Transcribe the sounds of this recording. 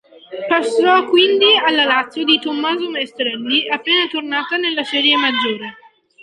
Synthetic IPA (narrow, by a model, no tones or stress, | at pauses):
pasːɔkːwind̪ialːalat̪sːjod̪it̪omːaːzomest̪ɾɛnːiapːeːnat̪ornaːt̪anelːasɛːɾjemad͡ʒːoːɾe